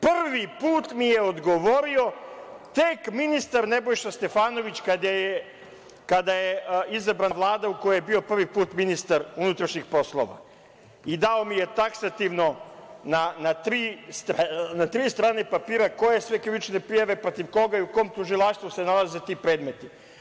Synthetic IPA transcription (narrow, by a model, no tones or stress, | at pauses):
pr̩ʋipuːt̪mijeod̪ɡo̞ʋo̞ɾio̞t̪ekminist̪aɾnebo̞jʃast̪e̞faːno̞ʋit͡ɕkad̪aje | kad̪ajeizabɾaʋlˠaːd̪aukojajebio̞pr̩ʋipuːt̪minist̪aɾunut̪ɾaʃɲixpo̞slˠo̰ʋa̰ | id̪aomije̞t̪aksat̪iʋno̞nanat̪ɾiːst̪ɾanat̪ɾiːst̪ɾaːne̞papiːɾako̞je̞sʋe̞kɾiʋit͡ʃne̞pɾijaʋe̞pɾo̞t̪iʋko̞ɡaiukooːmt̪uʒilˠaʃt̪ʋuse̞nalˠaze̞t̪iːpɾe̞ːd̪me̞t̪i